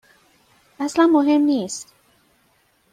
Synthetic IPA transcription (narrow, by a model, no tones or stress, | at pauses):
ʔæslænmoɦe̞mniːst̪